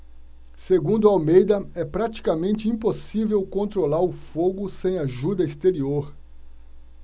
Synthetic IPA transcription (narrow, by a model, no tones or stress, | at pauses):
seɡũnd̪ʊawmejd̪ɐɛpɾat͡ʃi̥kamẽnt͡ʃɪĩposivewkõnt̪ɾolaɾʊfoɡʊsẽj̃aʒud̪ɐist̪eɾioɾ